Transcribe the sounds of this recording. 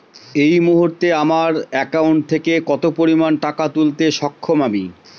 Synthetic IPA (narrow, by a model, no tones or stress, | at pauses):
ejmuɦuɾt̪eamaɾɛkauɳʈ̚t̪ʰekekɔt̪opoɾimanʈakat̪ult̪eʃɔkʰːomabḭ